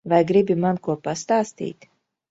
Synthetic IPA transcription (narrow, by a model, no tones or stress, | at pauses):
vajɡɾibʲimankuɔpast̪aːst̪ḭːt̪